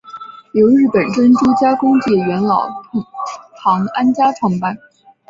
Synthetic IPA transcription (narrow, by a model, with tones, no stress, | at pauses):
jo˧˥ʊɻɻ̩˥˩pə˨˩nʈ͡ʂə˥nʈ͡ʂu˥t͡ɕja˥kʊ˥ŋt͡ɕi˥˩ɥɛ˧˥nlɑ˨˩ʊ˥ | t̪ʰɑ˧˥ŋa˥nt͡ɕja˥ʈ͡ʂʰwɑ˥˧ŋpa˥˩n